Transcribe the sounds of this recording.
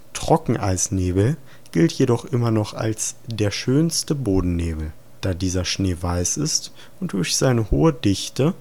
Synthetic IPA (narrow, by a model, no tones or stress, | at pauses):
tʁ̥ɔkŋ̩ʔa̰ɪsneːbl̩ | ɡ̥ɪltʰjedɔχʔɪmɐnɔχa̰lsd̥eːɐʃøːnstəboːdn̩neːbl̩ | d̥aːdiːzɐʃneːvaɪsɪst | ʊnt̚d̥ʊɐçz̥aɪnəhoːədɪçtə